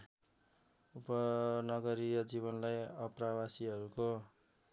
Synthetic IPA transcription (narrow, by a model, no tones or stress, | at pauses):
upʌnʌɡʌɾijʌd͡zibʌnlajʌprawasiɦʌɾuko